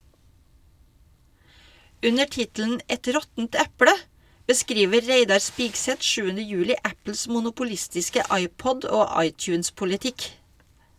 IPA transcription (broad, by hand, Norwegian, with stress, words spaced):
ˈʉnəɾ ˈtɪtl̩ən ˈɛt ˈɾɔtənt ˈæpɽə bəˈskɾiːʋə ˈɾeɪdɑɾ ˈspɪɡsɛt ˈʃʉːənə ˈjʉːlɪ ˈʔæpl̩s mʊnʊpʊˈlɪstɪskə ˈɑɪˌpɔd ˈoː ˈɑɪˌtjʉːns pʊlɪˈtɪk